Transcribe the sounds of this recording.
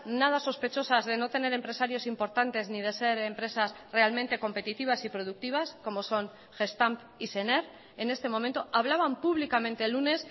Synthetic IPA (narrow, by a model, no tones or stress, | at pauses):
nað̞aso̞spe̞t͡ʃo̞sazðe̞no̞t̪e̞ne̞ɾe̞mpɾe̞saɾjo̞simpo̞ɾt̪ant̪e̞znið̞e̞se̞ɾe̞mpɾe̞sasre̞almẽnt̪e̞ko̞mpe̞t̪it̪iβ̞asipɾo̞ð̞uk̚t̪iβ̞asko̞mo̞so̞ŋ | ʝe̞st̪amp | iseneɾ | e̞nest̪e̞mo̞ment̪o̞ʔaβ̞laβ̞ampuβ̞likament̪e̞lune̞s